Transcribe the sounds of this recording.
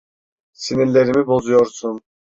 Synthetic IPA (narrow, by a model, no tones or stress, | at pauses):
sininlʲe̞ɾimibo̞zujo̞ɾsun